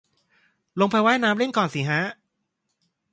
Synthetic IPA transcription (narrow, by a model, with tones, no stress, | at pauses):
lo˧ŋpʰa˧jwaː˦˥˩jnaː˦˥mle˥˩nkɔː˨˩nsiː˨˩˦ɦaː˦˥